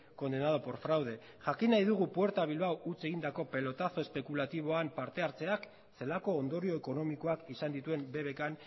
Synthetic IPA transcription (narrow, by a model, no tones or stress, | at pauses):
ko̞nd̪e̞nað̞o̞po̞ɾfɾawð̞e̞ | ʝakinajðuɣ̞upwe̞ɾt̪aβ̞ilβawut͡se̞ɣind̪ako̞pe̞lo̞t̪aθo̞e̞spe̞kulat̪iβ̞o̞ampaɾt̪e̞aɾt͡se̞ak | se̞lako̞ːnd̪o̞ɾio̞eko̞no̞miko̞akisand̪it̪ue̞mbe̞βe̞kan